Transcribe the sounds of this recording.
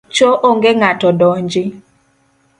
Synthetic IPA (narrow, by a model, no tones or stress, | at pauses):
t͡ʃoʔoŋɡeŋatɔdɔɲd͡ʒɪ